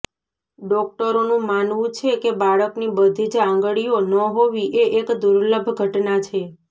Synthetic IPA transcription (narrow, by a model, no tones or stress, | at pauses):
ɖɔk̚ʈəɾonũmanʋũt͡ʃʰekebaɭəknibəd̪ʱid͡ʒãŋɡəɭijonəɦoʋiʔeʔekd̪uɾləbʱɡʱəʈnat͡ʃʰe